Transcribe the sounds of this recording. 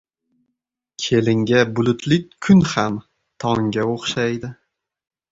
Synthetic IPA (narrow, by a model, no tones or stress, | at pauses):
kʲʰe̞lɪŋɡʲabʊlʊt̪ʰlɪk̚ʲkʰːʊnham | t̪ʰɒŋɡʲaoχʃajd̪ɪ